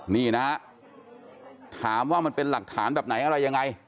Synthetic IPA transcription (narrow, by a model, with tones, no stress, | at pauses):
niː˥˩na˦˥ | t̪ʰaː˩˦mwaː˥˩ma˧npe˧nla˨˩k̚t̪ʰaː˩˦nbɛː˨˩p̚na˩˦jʔa˧ɾa˧jːa˧ŋːa˧j